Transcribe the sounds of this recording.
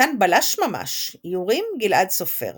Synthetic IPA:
anbalaʃmama̰ʃjuʁimɡilʔadsofḛʁ

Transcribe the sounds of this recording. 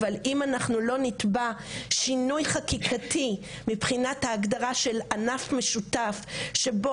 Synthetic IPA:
valimanaχnulo̞nit̪ba | ʃinujχakikʰatʰi | mipχinathaːɡd̪aʁaʃe̞lanafmeʃutafʃe̞bo

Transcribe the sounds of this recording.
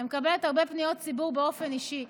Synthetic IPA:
mekabe̞lethaʁbe̞pnijo̞t̚t͡sibuʁbeo̞fe̞niʃi

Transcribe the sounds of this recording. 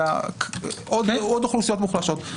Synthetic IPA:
a̰ | ʔod̪heod̪χlusijo̞t̪muχlaʃot̪

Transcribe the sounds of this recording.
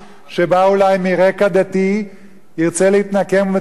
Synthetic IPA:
ʃebaulajmiʁekad̪at̪i | iʁt͡selehit̪nakemve

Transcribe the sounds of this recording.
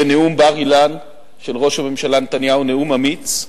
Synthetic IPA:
eneumbaʁilan | ʃe̞lʁo̞ʃhame̞mʃalanet̪anjaune̞umamit͡s

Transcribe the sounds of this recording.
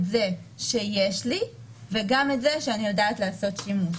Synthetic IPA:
tze̞ʃe̞jeʃli | ve̞ɡametzeʃeanijodaːtleːso̞tʃimuʃ

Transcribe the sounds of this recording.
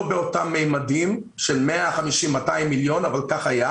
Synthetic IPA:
beo̞tamːejmadim | ʃe̞lmeaχamiʃimːataimːiljo̞navalkaχaja

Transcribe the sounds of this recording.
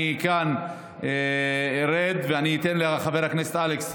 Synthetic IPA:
ikan | eeɾed̪veaniːt̪enleχaveɾhakneset̪ʔaleks

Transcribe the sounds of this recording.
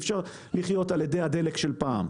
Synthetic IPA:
fʃaʁ | liχjo̞taljede̞jad̪e̞lekʃe̞lpaːm

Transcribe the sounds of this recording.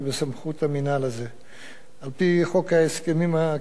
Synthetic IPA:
besamχut̪aminalaze | alpiχo̞kaeskemima

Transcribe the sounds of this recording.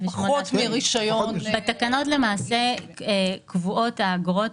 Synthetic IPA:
veʃmootmeʁiʃajobat̪akano̞tle̞maːse̞ekvuʔo̞taːɡʁo̞t

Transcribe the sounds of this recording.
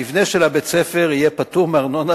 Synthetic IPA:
ivneʃelabet͡sefeʁijepatuʁmeaʁno̞na

